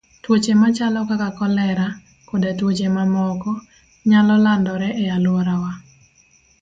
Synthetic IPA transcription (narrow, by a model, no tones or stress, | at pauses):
twot͡ʃemat͡ʃalɔkakakɔlɛɾa | kodetwot͡ʃemamɔkɔ | ɲalɔlandɔɾɛʔɛjalwɔɾawa